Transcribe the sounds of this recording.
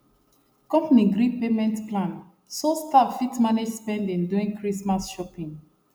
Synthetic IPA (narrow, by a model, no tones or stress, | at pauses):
kɔ̃mpniɡɾipemɛ̃ntplãn | sostafitmaned͡ʒspɛ̃ndĩnduĩŋkɹismasʃɔpĩŋ